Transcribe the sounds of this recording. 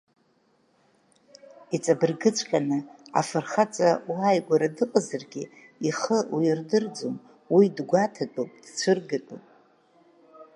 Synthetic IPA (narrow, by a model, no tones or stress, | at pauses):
it͡sʼabɨrɡɨt͡ʃʷʰʼkʲʼanɨa̰fɨrχat͡sʼawajɡʷaɾadɨqʼazarɡʲi | iχəwjrdɨrd͡zom | widɡʷatʰatʷʼopʼd̥t͡ɕʷʰɨrɡɨtʼopʼ